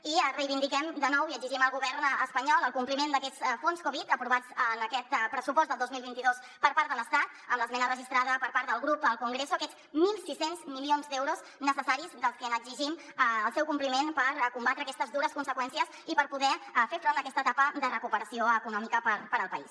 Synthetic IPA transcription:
irəjβind̪ikɛmd̪ənɔwiəɡziʒiməlˠɣuβɛɾnəspəɲɔlˠəlˠkumplimend̪əkɛt͡sfonskoβit̪əpɾuβad͡zənəkɛt̪pɾəsupɔstd̪əlˠozmilβint̪iðos | pəɾpaɾt̪ələst̪at̪̚əmləzmɛnərəʒist̪ɾaðəpəɾpaɾt̪ðəlˠɣɾupəlˠkuŋɡɾesuəkɛt͡s | milˠsisenzmilionzd̪ɛwɾuz | nəsəsaɾizd̪əlˠskənəɡziʒim | əəlˠsɛwkumplimenpəɾkumbat̪ɾəkɛst̪əzðuɾəskunsəkwɛnsiəz | ipəɾpuðɛfeɾfɾond̪əkɛst̪ət̪apəd̪ərəkupəɾəsioəkunɔmikəpəpəɾəlˠpəis

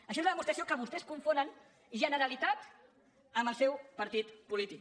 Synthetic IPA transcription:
əʃɔoezləðəmust̪ɾəsiokəβ̞ust̪ɛskuɱfonən | ʒənəɾəlit̪at̪ | əməlˠsɛwpəɾt̪it̪pulit̪ik

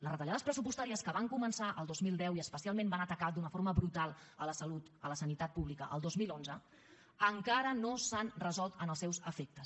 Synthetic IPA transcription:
ləzrət̪əʎaðəspɾəsupust̪aɾiəskəβaŋkumənsaʔəlˠd̪ozmilˠd̪ɛwiəspəsialˠmẽmbanət̪əkad̪unəfoɾməβɾut̪alˠələsəlut̪ələsənit̪at̪̚puβlikəʔə̰lˠd̪ozmilˠonzə | əŋkaɾənosanrəzɔlˠt̪ənəlˠsɛwzəfek̚t̪əs

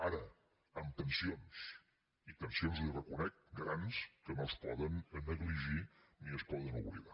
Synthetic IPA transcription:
aɾə | əmt̪ənsions | it̪ənsionzlirəkunɛk̚ɡɾanskənolˠspɔðənənəɣliʒiniəspɔðənṵβlḭða

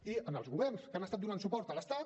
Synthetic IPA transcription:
iənəlˠzɣuβɛrnskəanəst̪at̪̚d̪unant̪supɔɾt̪ələst̪at̪

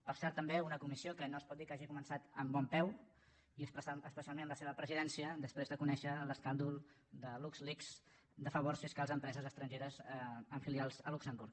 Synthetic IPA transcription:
pəɾsɛɾt̪ːəmbeunəkumisiokənoəspɔt̪̚d̪ikaʒikumənsat̪əmbɔmpɛw | iəspəsəspəsialˠmẽnləseβəpɾəziðɛnsiəd̪əspɾezðəkunɛʃələskand̪ulˠ | d̪əlukzlikz | d̪əfəβorsfiskalˠzəmpɾɛzəzəst̪ɾənʒeɾəzəɱfilialˠzəluksəmbuɾk

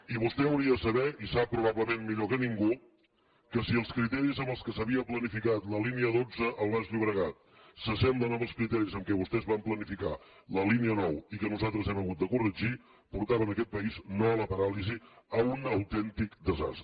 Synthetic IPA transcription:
iβust̪ɛəwɾiəðəsəβɛisapːɾuβaβləmenmːiʎokəniŋɡu | kəsiəlˠskɾit̪ɛɾizəmbəlˠskəsəβiəplənifikat̪ləliniəðod͡zəʔəlˠβazʎiβɾəɣat̪̚ | səsɛmblˠənoməlˠskɾit̪ɛɾizəmkɛβust̪ɛzβamplənifika | ləliniənɔwikənuzalˠt̪ɾəzɛməɣut̪̚d̪əkurəʒi | puɾt̪aβənəkɛt̪̚pəiznoələpəɾaliziəunəwt̪ɛnt̪ikd̪əza̰st̪ɾə

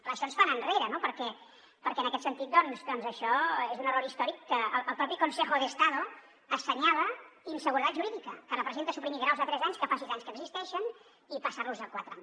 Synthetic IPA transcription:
rələsionsfanənreɾənopəɾkɛ | pəɾkɛənəkɛt̪sənt̪it̪̚d̪ɔnzd̪ɔnzəʃɔezunərɔɾist̪ɔɾikːəəlˠːlˠpɾɔpikunsexuðəst̪aðo | əsəɲaləinsəɣuɾət̪at̪ʒuɾiðikəkələpɾəzent̪əsupɾimiɣɾawzət̪ɾɛzaɲskəfas̬izaɲskəɡzist̪ɛʃən | ipəsaɾluzəkwat̪ɾa̰ɲ

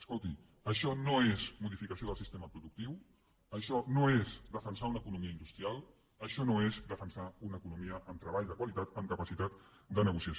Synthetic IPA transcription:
əskolˠt̪i | əʃɔnoezmuðifikəsioð̞əlˠsist̪eməpɾuðuk̚t̪iw | əʃɔnoezd̪əfənsaunəkunumiəinust̪ɾialˠ | əʃɔnoezd̪əfənsaunəkunumiəʔəmt̪ɾəβaʎdəkwalit̪at̪əmkəpəsit̪at̪ | d̪ənəɣusiəs

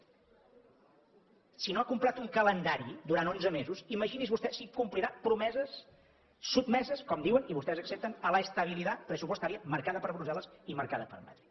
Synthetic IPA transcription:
sinoakumplat̪uŋkələnd̪aɾid̪uɾanonzəmezuziməʒinizβust̪ɛsikumpliɾapɾumɛzəsː | ub̚mɛzəskɔmd̪iwəniβust̪ɛzəksep̚t̪ənələːst̪əβ̞ilit̪apɾəsupust̪aɾiəməɾkaðəpəɾβɾuzɛləsiməɾkaðəpə̰ɾma̰t̪ɾi

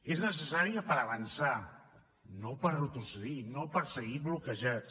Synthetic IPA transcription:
eznəsəsaɾiəpəɾəβənsa | nopəɾrut̪ɾusəðinopəɾsəɣiβlukəʒat̪

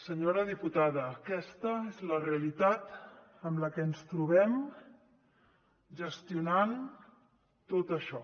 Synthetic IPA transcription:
səɲoɾəðiput̪aðəːkɛst̪əezləreəlit̪at̪ | əmləkɛənst̪ɾuβ̞ɛm | ʒəst̪iunan | t̪ot̪əʃɔ

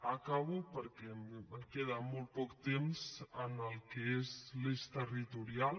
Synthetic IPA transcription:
akaβupəɾkɛməkeðamɔlˠt̪̚pɔkt̪emzənəlˠkəezlist̪ərit̪uɾial

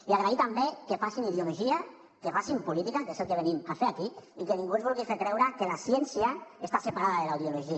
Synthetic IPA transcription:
iaɣɾait̪ambekefasiniðjuluʒia | kefasimpulit̪ikak̪eselkeβenimafeɾakiikenĩŋɡuenzβulɣifeɾkɾɛwɾakelasjɛnsjaest̪asepaɾaðaðelawðjuloʒia

